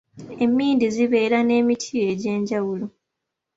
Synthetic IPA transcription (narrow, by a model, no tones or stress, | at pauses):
e̞mːiːndiziβe̞ːɾane̞ːmitʰie̞ɟe̞ːɲɟawulo